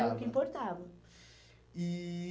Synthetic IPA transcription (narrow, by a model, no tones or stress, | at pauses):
ɛukĩmpoɾt̪avɐ | i